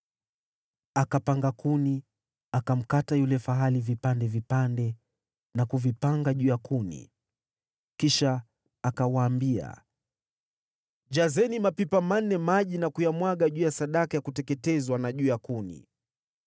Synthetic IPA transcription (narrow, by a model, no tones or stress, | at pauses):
akapaŋɡakuni | akam̩katajulɛfaɦalivipandɛvipandɛ | nakuvipaŋɡaʄuːjakunḭ | kiʃaː | kawaːmbia̰ | d͡ʒazɛnimapipamanːɛmaʄinakujamwaɠaʄuːjasaɗakajakutɛkɛtɛzwanaʄuːjakunḭ